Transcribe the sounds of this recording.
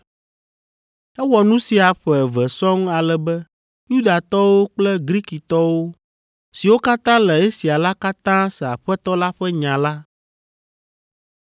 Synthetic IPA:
ɛ˦wɔ˨nũ˦si˨a˨ɸɛ˨vɛ˨sɔ̃˦ŋ˦a˨lɛ˨bɛ˦ | ju˦d̪a˨t̪ɔ˦wo˦k͡plɛ˦ɡɾi˦ki˨t̪ɔ˦wo˦ | si˨wo˦ka˦t̪ã˦lɛ˨ɛ˦si˨a˨la˦ka˦t̪ã˦sɛ˨a˨ɸɛ˦t̪ɔ˦la˦ɸɛ˦ɲã˨la˦

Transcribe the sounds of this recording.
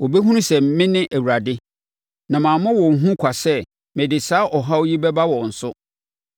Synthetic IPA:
wɔ˨be˦ɦũ˦ũ˦sɛ̃˨m˦mɪ̃˦nɪ̃˦ʔæ˨wu˨ɾa˨dɪ˦ | nã˨mãː˨mʊ̃˦wɔ̃˨ŋ˨ɦũ˦kʷʰa˨sɛ˦˨ | mɪ̃˨dɪ˨saː˨˦ʔɔ˨ɦa˦wji˦bɛ˦ba˦wɔ̃˨n̩˨sʊ˦

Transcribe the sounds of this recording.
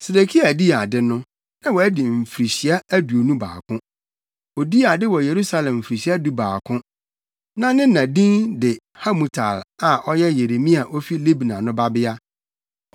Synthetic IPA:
se˨de˨kʰi˦a˨di˦a˨dɪ˦nʊ̃˦ | nã˦wɔ˨æ˦di˨m̩˨fi˨ɾi˨ɕi˨˦a˦æ˦du˨o˨nũ˦ba̰ː˨kʰʊ̃˦ | o˨di˦a˨dɪ˦wɔ˨je˨ɾu˦sa˦lɛ̃˨m̩˨fɾi˨ɕi˦a˦du˦baː˨kʰʊ̃˦ | nã˦nɪ̃˦nã˨dĩ˦ndɪ˨ | ha˦mũ˨tʰa̰˨la˨ʔɔ˦jɛ˦je˨ɾe˨mĩ˦a˨ʔɔ˦fi˦le˦bnã̰˨nʊ̃˦ba˦bɪ˦a˦

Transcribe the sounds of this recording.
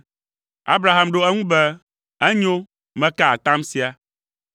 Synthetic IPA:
a̰˦bɾa˨ɦa˨mɖo˦ɛ˦ŋũ˦bɛ˦ | ɛ˦ɲo˦ | mɛ̃˦ka˦a˨t̪ã˦msi˦a˨

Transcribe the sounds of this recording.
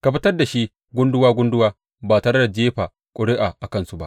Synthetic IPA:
ka˨ɸɪ˦tɐ˦rda˨ʃi˦ | ɡʷʊ˦ndʊ˦waː˦ɡʷʊ˦ndʊ˦waː˦ | baː˨tɐ˨ɾɐ˦da˨d͡ʒeː˦ɸaː˨ | kʷʼʊ˨ɽɪ˦ʔaː˨ʔa˨kɐ˦˨nsu˨ba̰˦ʔ

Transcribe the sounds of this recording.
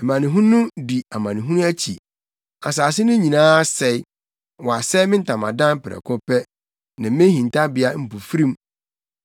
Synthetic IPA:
ɛ˨mã˨nɪ̃˨ɦũ˦nʊ̃˦di˨a˨mã˨nɪ̃˨ɦũ˦nʊ̃˦æ˦t͡ɕʰi˨ | a˨s̬aː˨s̬ɪ˦nʊ̃˦ɲĩ˨nãː˦sɛ˨˦ | wɔ˨a˨sɛ˦mɪ̃˦n̩˦tʰã˨mã̰˨dã˦m˦pɪ˨ɾɛ̰˨kʰɔ˦pɛ˦ | nɪ̃˨˦mɪ̃˦hĩ˨n˨tʰa˦bɪ˨a˦m̩˨pu˨fi˦ɾĩ˦m

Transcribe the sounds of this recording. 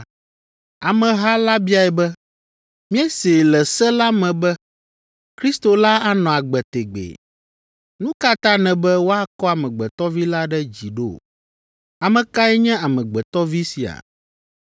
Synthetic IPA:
a˨mɛ̃˨ɦa˦la˦bi˦a˨ɛ˨bɛ˦ | mĩ˦ɛ˦se˨lɛ˨sɛ˦la˦mɛ̃˨bɛ˦ | kɾi˦st̪o˨la˦a˦nɔ̃˨a˨ɡ͡bɛ˨t̪e˨ɡ͡bḛ˨ | nũ˦ka˦t̪ã˦nɛ̃˨bɛ˦wo˦a˦kɔ˦a˨mɛ̃˨ɡ͡bɛ˨t̪ɔ˦vi˦la˦ɖɛ˦d͡ʑi˨ɖo˦˨ | a˨mɛ̃˨ka˦ɛ˦ɲɛ̃˦a˨mɛ̃˨ɡ͡bɛ˨t̪ɔ˦vi˦si˨a̰˨

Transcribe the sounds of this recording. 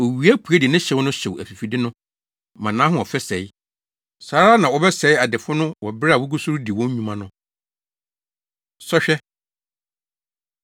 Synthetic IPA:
o˨ɥi˨æ˦pʰu˨ɛ˦di˨nɪ̃˦ɕɛ˨˦wnʊ̃˦ɕɛ˨wæ̰˨fi˨fi˨dɪ˦nʊ̃˦ | mã˨nã˦ɦʊ̃˦ɔ˨fɛ˦sɛ˨ɪ˦ | saː˨˦ɾa˦nã˨wɔ˨bɛ˦sɛ˨ɪ˦a˨dɪ˨fʊ˦nʊ̃˦wɔ˨bɪ˦a˨wʊ˦ɡu˦su˦ɾu˦di˨wɔ̃˦ɲ˦ɲũ˦mã˦nʊ̃˦ | sɔ˦ɕᶣɛ˦

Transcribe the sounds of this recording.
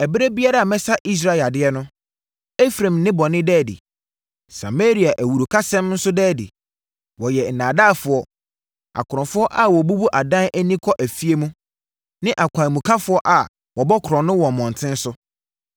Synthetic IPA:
ɛ˨bɾe˦bi˦a˦ɾa˨a˨mɛ̃˦sa˦ʔi˦s̬ɾa˦˨ɪ˨a˨dɪ˦ɛ˦nʊ̃˦ | ɛ˦fɾã˨mnɪ̃˦bɔ˨nɪ̃˦dɛː˦˨dɪ̰˨ | sa̰˨me˦ɾi˨a˨ʔæ˨wu˨ɾu˨kʰa˦sɛ̃˦mn̩˦sʊ˦dɛː˦˨dɪ̰˨ | wɔ˨jɛ˨n̩˨nãː˨da˦˨fʊ˨˦ɔ˦ | a̰˨kʰʊ˨ɾʊ̃˨fʊ˦ɔ˦ʔa˦wɔ˨bu˦bu˦ʔa˨dã˦næ˦nĩ˦kʰɔ˦ʔæ˨fi˦e˦mũ˦ | nɪ̃˦ʔa˨kʰʷã˨mũ˨kʰa˦fʊ˦ɔ˦ʔa˨ | wɔ˨bɔ˦kʰɾɔ̃˨nʊ̃˦wɔ̃˨mɔ̃˨n̩˨tʰɪ̃˦n̩˦sʊ˦

